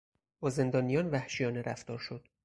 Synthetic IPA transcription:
bɒːze̞nd̪ɒːnijɒːnvæhʃijɒːneɾʔæ̰ft̪ɒːɾʃo̞d̪̥

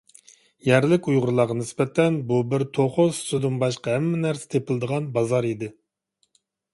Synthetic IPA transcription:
jæɾlɪkʲujʁʊɾlˠɑʁɑnɪsbɛt̪ʰːɛnbubɪɾt̪ʰoχost̪yd̪ɨmbɑʃqɑɦɛmːɛnæɾsɪ̥t̪ʰepɪlˠɨd̪əʁɑnbɑzɑɾid̪ɪ

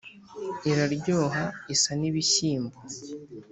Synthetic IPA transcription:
iɾaɾɟoːɦaisaniβiɕiːmbo

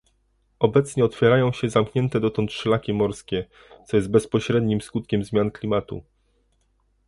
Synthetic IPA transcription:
ɔbɛt̪sɲɛɔt̪fʲjɛɾajɔ̃w̃ɕɛzamkɲɛnt̪ɛd̪ɔt̪ɔnt̪ʂɛlakʲimɔɾskʲɛ | t̪sɔjɛzd̪̚bɛspɔɕɾɛd̪ɲimskut̪̚kʲɛmzmʲjanklʲimat̪ṵ

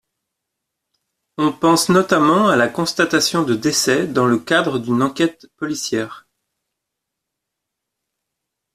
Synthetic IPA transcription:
ɔ̃pɑ̃snɔt̪amɑ̃alakɔ̃st̪at̪asjɔ̃d̪əd̪esɛd̪ɑ̃ləkad̪ʁəd̪ynɑ̃kʲɛt̪pɔlisjɛːʁ

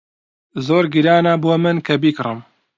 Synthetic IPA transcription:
zoːɾɡiɾaːnaboːmɨnkʰɐbikrɨm

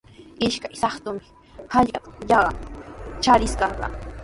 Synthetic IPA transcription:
ɪʃkajsɑχt̪ʊmɪ̥ | hɑʎat̪ḁʎɑɢɑ̰t͡ʃaɾɪskɑŋɢɑ̰

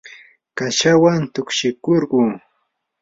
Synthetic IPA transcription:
kaʃawant̪ʊkʃɪkoɾɢuː

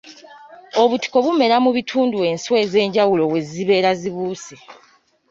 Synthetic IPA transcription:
o̞βuti̥ko̞βume̞ɾamuβitʰuːndue̞nswe̞ze̞ːɲɟawulo̞we̞ziβe̞ːɾaziβuːsi

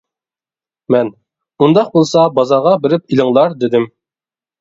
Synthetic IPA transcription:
mɛn | und̪ɑq̚bolˠsɑbɑzɑʁɑbɪɾɪpilɪŋlˠɑɾd̪ɪd̪ɪm

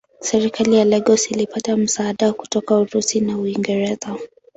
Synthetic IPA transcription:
sɛɾikalijalɛɡɔsilipatam̩saːɗaku̥tɔkauɾusinauiŋɡɛɾɛza

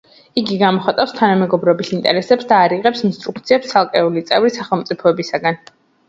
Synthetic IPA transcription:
iɡiɡamɔχat̪ʼafst̪ʰanamɛɡɔbɾɔbisint̪ʼɛ̰ɾɛsɛpsd̪aːɾiʁɛpsinst̪ʼɾukt̪sʰiɛpst̪sʰalˠkʼɛulit̪sʼɛvɾisaχɛlˠmpt̪sʼipʰɔɛbisaɡan

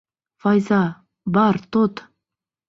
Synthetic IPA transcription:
fɑjzɑ | bɑɾt̪ot̪

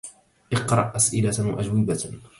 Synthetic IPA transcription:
ʔɨqɾˤɑʔʔasʔɪlawaʔad͡ʒwɪba

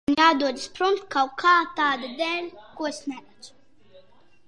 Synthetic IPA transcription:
njaːd̪uɔd̪ɨspɾumt̪kawkʰaːt̪aːd̪ad̪ɛːlʲkuɔsnæɾɛt͡ʃ

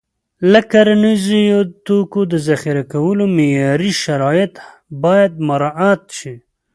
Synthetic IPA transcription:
lakaɾnizijot̪okod̪əzaxiɾakawəlomejɑɾiʃaɾɑjɪt̪ | bɑjad̪̚maɾɑat̪ʃi

